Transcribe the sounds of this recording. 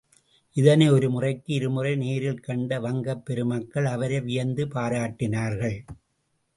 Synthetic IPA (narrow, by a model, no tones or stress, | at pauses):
ʔɪðɐnɐɪɔɾɯmʊrɐɪkːɯɪɾɯmʊrɐɪneːɾɪlkɐɳɖɐʋɐŋɡɐpːɛɾɯmɐkːɐɭɐʋɐɾɐɪʋɪjɐnd̪ɯpaːɾaːʈːɪnaːɾɣɐɭ